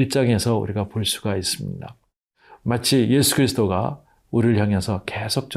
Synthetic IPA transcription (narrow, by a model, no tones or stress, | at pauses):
iɭt͡ɕ͈aŋe̞sʰʌṵɾiɡapoɭs͈u̥ɡais͈ɯmɲḭda | mat͡ɕʰije̞sʰu̥ɡɯɾisʰɯdoɡa̰ | uɾɭjaŋesʰʌke̞sʰok̚t͡ɕ͈